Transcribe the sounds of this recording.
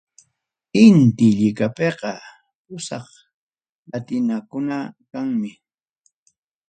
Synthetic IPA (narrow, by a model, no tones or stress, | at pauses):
ɪnt̪ɪʎɪkapeqɑ | pʊsɑχ | lat̪ɪnakʊnakaŋmɪ